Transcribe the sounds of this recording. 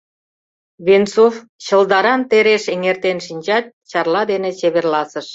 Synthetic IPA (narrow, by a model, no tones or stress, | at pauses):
βensof | t͡ɕə̆ld̪ɑɾɑnt̪eɾeʃeŋert̪enʃinʲt͡ɕɑt̪̚t͡ɕɑrlɑd̪enet͡ɕeβerlɑsəʃ